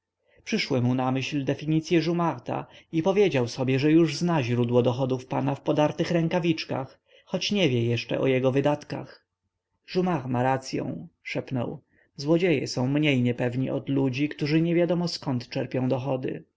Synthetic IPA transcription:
pʂɘʂwɘmunamɘɕld̪ɛfʲiɲit̪sʲjɛʐumaxt̪a̰ipɔvʲjed͡ʑawsɔbʲjɛʐɛjuʐznaʑɾud̪wɔd̪ɔxɔd̪ufpanafpɔd̪aɾt̪ɘxɾɛŋkavʲit͡ʂka̰xː | ɔt͡ɕɲɛvʲjɛjɛʂt͡ʂɛ̰ʔɔ̰jɛɡɔvɘd̪at̪ka̰x | ʐumaxmaɾat̪sʲjɔ̰̃w̃ʂɛpnɔ̰w | zwɔd͡ʑejɛ̰sɔ̃w̃mɲejɲɛpɛvɲiʔɔd̪lud͡ʑikt̪uʐɘɲɛvʲjad̪ɔmɔskɔnt̪t͡ʂɛɾpʲjɔ̃w̃d̪ɔxɔd̪ɘ̰

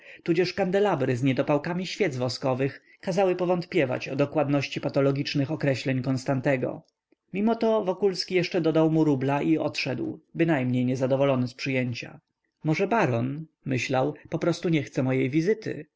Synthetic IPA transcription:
t̪ud͡ʑɛʂkand̪ɛlabɾɘzɲɛd̪ɔpawkamʲiɕfʲjɛd̪zvɔskɔvɘx | kazawɘpɔvɔnt̪pʲjɛva̰t͡ɕɔd̪ɔkwad̪nɔɕt͡ɕipat̪ɔlɔɡʲit͡ʂnɘxɔkɾɛɕlɛɲkɔnst̪ant̪ɛɡɔ̰ | mʲimɔt̪ɔvɔkulskʲijɛʂt͡ʂɛd̪ɔd̪awmuɾublaʔiɔt̪ʂɛd̪wbɘnajmɲejɲɛzad̪ɔvɔlɔnɘspʂɘjeɲt͡ɕa̰ | mɔʐɛbaɾɔn | mɘɕlawpɔpɾɔst̪uɲɛxt̪sɛmɔjejvʲizɘt̪ɘ̰

